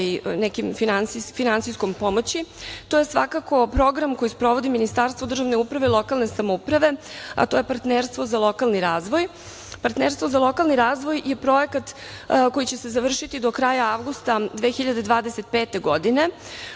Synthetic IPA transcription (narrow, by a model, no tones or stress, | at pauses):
inɛkimfinansifinansijsko̞mpo̞mot͡ɕit̪oje̞sʋa̰kako̞pɾo̞ɡɾamko̞jispɾo̞ʋo̞d̪iminist̪aːɾst̪ʋod̪r̩ʒaʋne̞upɾaʋeilo̞kalˠne̞samoupɾaʋe̞a̰t̪o̞jepaɾt̪neːɾst̪ʋo̞zalˠo̞kalˠniɾaːzʋo̞j | paɾt̪neɾst̪ʋozalˠo̞kalniɾaːzʋo̞jje̞pɾo̞jekat̪ | ko̞jit͡ɕe̞sezaʋr̩ʃit̪id̪o̞kɾaːjaaʋɡust̪ad̪ʋexiʎad̪e̞d̪ʋaːd̪ese̞t̪̚peːt̪e̞ɡo̞d̪ine̞